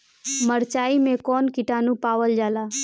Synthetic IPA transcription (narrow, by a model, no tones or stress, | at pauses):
məɾt͡ʃaːimẽkɔːnkɪʈaːnũpaːʋəld͡ʒaːlaː